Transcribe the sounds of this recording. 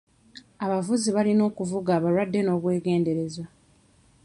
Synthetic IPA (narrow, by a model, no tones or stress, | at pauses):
aβavuziβalino̞ːkuvuɡaːβaɾwadːe̞no̞ːβwe̞ːɡe̞ːnde̞ɾe̞zwa